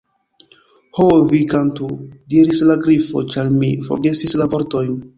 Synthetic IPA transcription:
hovikantudiɾislaɡɾifo̞̰t͡ʃaɾmifo̞̰ɾɡe̞sislavo̞ɾto̞jn

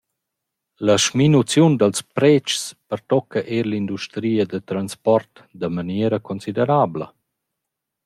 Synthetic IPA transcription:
ləʃminut͡sjund̪əlspɾɛt͡ʃspəɾt̪ɔkːəʔeɾlind̪uʃt̪ɾiːəd̪ət̪ɾanspɔrt̪ | d̪əmaneɾəkonsid̪eɾaːblə̰

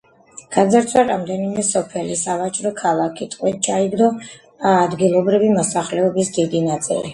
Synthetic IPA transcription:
ɡ̥azaɾt̪sʰwaɾamd̪ɛnimɛsɔpʰɛlisavat͡ʃʼɾɔkʰalˠakʰit̪ʼqʼwit̪̚t͡ʃʰaiɡnɔ | aːd̪ɡilˠɔbɾivimɔsaχlɛɔbisd̪id̪inat̪sʼḭlḭ

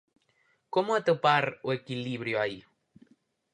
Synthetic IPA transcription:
komʊat̪opaɾʊekiliβɾjʊai

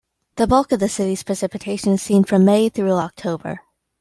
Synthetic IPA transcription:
ðəbʌlˠkʌvðɨsɪɾiz̥pʰɹ̥ɨsɪpɨtʰeɪʃɨ̃nɨz̥sĩnfɹʌ̃mːeɪθɹʉɑk̚tʰoʊbə̰˞

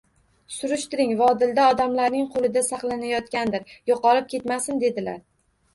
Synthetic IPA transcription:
sʊɾʊʃt̪ɪɾɪŋvaɒd̪ɪld̪aɒd̪amlaɾnɪŋqʰolˠɪd̪asɑqlˠanajɒt̪kʲand̪ɪɾjoqɒlɪp̚kʲe̞t̪masɪnd̪e̞d̪ɪla̰ɾ

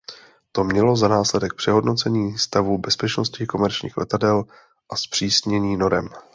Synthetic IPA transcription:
t̪o̞mɲɛlo̞zanaːslɛdɛk̚pr̥ɛɦo̞dno̞t͡sɛɲiːst̪avubɛspɛt͡ʃno̞scɪko̞mɛɾt͡ʃɲḭːxlʔɛ̰t̪adɛl | ʔaspr̝̥iːsɲɛɲiːno̞ɾɛm

